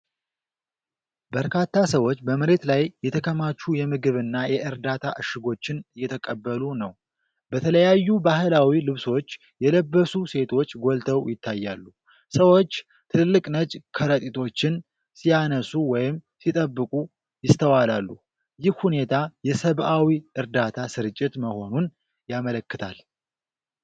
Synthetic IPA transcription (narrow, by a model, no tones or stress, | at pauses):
bəɾkʰat̪ʰːasəwot͡ʃːbəməɾe̞t̪lajːɛt̪ʰəkʰəmat͡ʃːujɛmɨɡɨβɨnːajɛʔɨɾd̪at̪ʰa̰ʔɨʃɨɡo̞t͡ʃːɪnɨjːɛt̪ʰəkʼəbːəlunəw | bət̪ʰələjajːubaɦɨlawilɨβso̞t͡ʃː | jɛləbːəsuse̞t̪ʰo̞t͡ʃːɡo̞lt̪ʰəwjɪt̪ʰːajːa̰lːu | səwot͡ʃː | t̪ʰɨllːɨkʼnət͡ʃʼkʰəɾət̪ʼit̪ʰo̞t͡ʃːɪn | sijanəsuwɔjɪm | sit̪ʼəbːɨkʼu | jɪst̪ʰəwalalːu | jɪhhune̞t̪ʰajɛsəβʔawiʔɨɾd̪at̪ʰasɨɾɨt͡ʃʼːɪt̪məho̞nun | jamələkːɨt̪ʰa̰l